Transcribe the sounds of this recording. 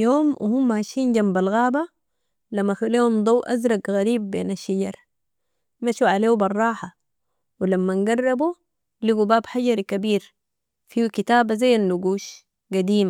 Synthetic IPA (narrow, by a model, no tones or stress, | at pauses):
joːmwʔhumːaaʃiːnɟambalɣaːba | lamːaxuleːhumd̪ˤɑwʔa̰zɾˤɑɡɣaɾiːbːḛːnaʃːaɟɑɾˤ | maʃuʕaleːubɑrˤːɑːħa | wilamːanɡarˤːɑbu | liɡubaːbħaɟɑɾkabiːɾ | fiːwkit̪aːbazajːanːuɡuːʃ | ɡad̪iːma